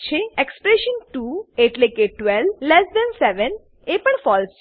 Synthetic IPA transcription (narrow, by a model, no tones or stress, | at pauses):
t͡ʃʰeekspɾeʃənʈueʈlekeʈʋɛllɛsd̪ɛnsɛʋən | epəɳfɔls